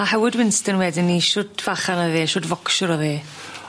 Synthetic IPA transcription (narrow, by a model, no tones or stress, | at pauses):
ahɛwɪdwɪnstənwɛdɪnːiʃʊdv̥aχanɔveːʃʊdvɔkʃʊɾɔveː